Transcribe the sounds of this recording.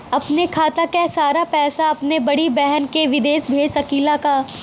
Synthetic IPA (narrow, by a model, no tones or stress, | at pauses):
ɐpnekʰaːt̪akesaːɾapɛːsaɐpnebɐɽibɛɦnkeʋɪd̪eːʃbʱeːsɐkiːlaka